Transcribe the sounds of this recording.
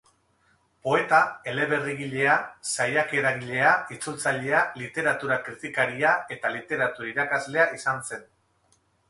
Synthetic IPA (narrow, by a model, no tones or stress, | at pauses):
po̞e̞t̪ae̞le̞βe̞riɣiʎe̞asajake̞ɾaɣiʎe̞ait͡sult͡saʎe̞alit̪e̞ɾat̪uɾakɾit̪ikaɾiae̞t̪alit̪e̞ɾat̪uɾaiɾakazle̞aʔisanse̞n